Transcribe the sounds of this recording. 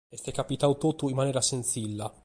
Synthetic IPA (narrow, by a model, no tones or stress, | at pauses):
ɛst̪ɛkːapit̪awt̪ut̪ːuimːanɛːɾasent̪silːa